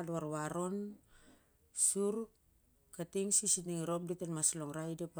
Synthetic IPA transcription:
duaɾβaɾo̞n | suɾ | katiŋsisitniŋɾo̞p̚ditenmasloŋɾajdepa

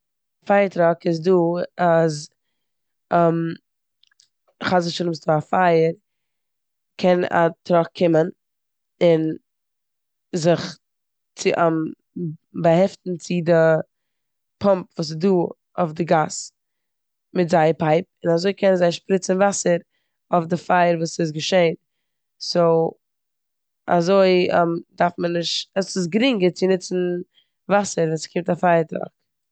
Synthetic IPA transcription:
faɪəɾtɾɔkɪzduːaz | m | χazɪʃʊnɪmsduafaɪəɾ | kʰɛna̰tɾɔkʰːɪmən | ɪn | zɪχ | t͡sɪʔam | bəhɛftn̩t͡sɪdɪ | pʰɔmpvuːs̬ɪduː | o̰fdɪɡas | mɪtzaɪpaɪp̚ɪnazoɪkʰɛnənzaɪʃpɾɪt͡sn̩vasəɾ | ofdɪfaɪəɾvuːsɪs̬ɡəʃeɪn | soʊ | a̰zoɪɛ̰mdaɾfmənːɪʃtɛsɪs̬ɡɾɪŋɡət͡sɪnɪt͡sn̩ | vasəɾvɛnskʰɪmtafaɪəɾtɾa̰k̚

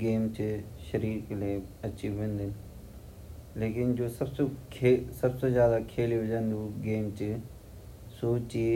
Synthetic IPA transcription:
ɡeːmt͡ʃɪʃɐɾiːkleɐt͡ʃʰiʋẽːnd̪ɪn | leːkɪnd͡ʒoːsɐbsekʰesɐbsezjaːd̪akʰeːliʊd͡ʒãnd̪uɡeːmt͡ʃɪ | soːt͡ʃi

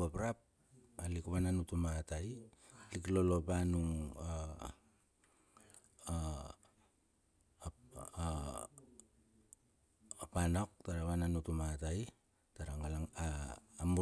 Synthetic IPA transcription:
apɾap̚ | alikuβananutumatajliklolo̞panuŋa | panok̚taɾaβananutumataj | taɾaŋalaŋaːmu

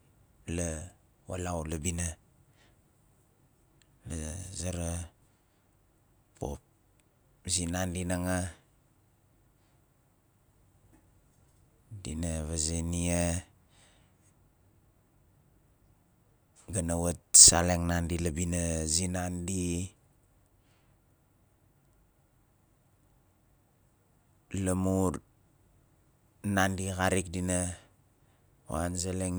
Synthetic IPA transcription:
la | wa̰lawlabina | lazaɾa | pʰo̰p̚ | zinandinaŋa | dinaβazenia | ɡanawat̚saleŋnandilabinazinandi | lamuɾ | nandikaɾik̚dina | wa̰nzaleŋ

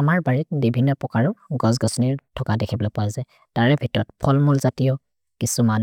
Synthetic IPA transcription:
amaɹbaɹit̚bibʱinːɔpɔkaɹʊɡɔz̬ɡɔsɔniɹtʰɔkadɛkʰibɔlɔpɔazɛ | taɹɛbʱitɔɹɔtpʰɔlmulzatijɔ | kisuman

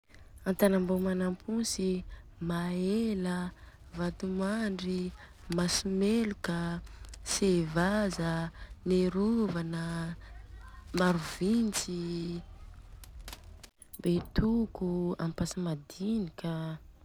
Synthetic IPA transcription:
ant̪anambomanampʰunsimaelə | vat̪umaɳɖ͡ʐimasimelukəsevazəneɾuvanə | maɾuvint͡si | bet̪ukua̰mpasamad̪inikʲə

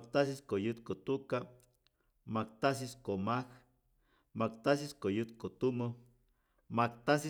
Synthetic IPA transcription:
k̚t̪asiskojɨt̪̚kot̪uka | makt̪asiskomah | makt̪as̬iskojɨt̪̚kot̪umə | makt̪asi

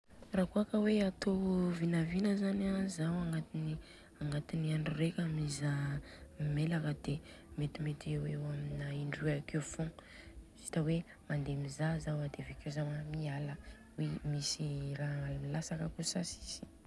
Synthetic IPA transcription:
rakoakəweat̪ovinavinəzanazawaŋɡat̪ini | aŋɡat̪iniaɳɖ͡ʐurekʲamizammelakəd̪̥e | met̪imet̪ewewaminaiɳɖ͡ʐueakewfõz̥i̥t̪əwe | mand̪emizazawad̪evekewzamamialə | wemisiraalmilasakəkusasi̥z̥i̥

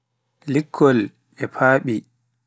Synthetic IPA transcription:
likʰːɔl | ɛpʰaːɓi

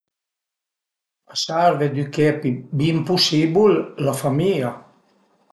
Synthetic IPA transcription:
asaɾved̪ykɛpibimpusibullafamia

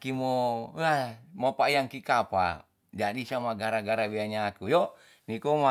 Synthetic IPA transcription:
kimɔamɔpaijaŋkikapa̰ | d͡ʒaɗisamaɡaɾaɡaɾawiaɲakujɔ | nikɔma

